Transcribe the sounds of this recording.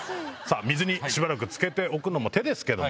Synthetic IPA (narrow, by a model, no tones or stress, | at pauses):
sa̰ːmʲizɨɲ̟iɕibaɾak̬ɯ̟t͡sɨ̥ke̞t̪e̞o̞kɯ̟no̞mo̞t̪e̞d̪e̞sɨ̥ke̞d̪o